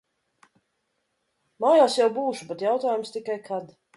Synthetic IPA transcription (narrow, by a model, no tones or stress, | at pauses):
maːjaːsjawbuːʃubɛt̪jawt̪aːjumst̪ikajkʰad̪